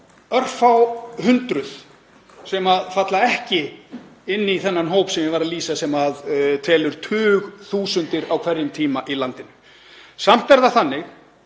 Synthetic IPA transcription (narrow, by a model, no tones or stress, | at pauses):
œr̥fawhʏnt̪ɾʏð̥ | sɛmaðfat̪laɛhcɪɪnːiθɛnːanɦoːwpsɛmɪvaɾaliːsasɛmaðt̪ʰɛːlʏɾ̥t̪ʰʏːɣθuːsʏnt̪ɪɾawkʰvɛɾjɪmt̪ʰiːmaʔilant̪ɪnːʏ | sam̥t̪ɛɾðaθanːɪx